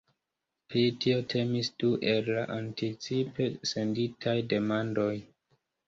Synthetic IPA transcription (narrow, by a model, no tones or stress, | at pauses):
pɾitʰio̞tʰe̞misd̥uʔe̞lːaʔantit͡sipe̞se̞nditʰajde̞mando̞j